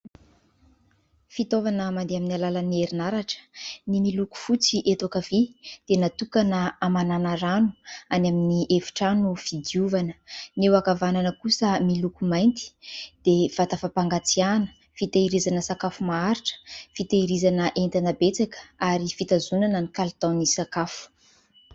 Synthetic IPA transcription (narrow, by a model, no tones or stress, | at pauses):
fit̪ovanəmand̪eaminalalanieɾinaɾaʈ͡ʂə̥nimiluku̥fut͡siʔet̪okavid̪̥enat̪ukanəamananaɾanu̥anaminiʔefi̥ʈ͡ʂanuv̥id̪iuvanə̥newakavananəkusəmilukumajnt̪i̥d̪̥ev̥at̪afapaŋɡat͡sianə̥ | fit̪aiɾizanəsakafumaaɾiʈ͡ʂə̥fit̪aiɾizanəʔent̪anabet͡sakə̥aɾifit̪azunanənikalt̪ãwnisakafu̥